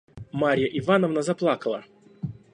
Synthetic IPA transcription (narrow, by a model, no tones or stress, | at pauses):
maɾʲjəʔɪvanəvnəzɐplˠakəlˠə̰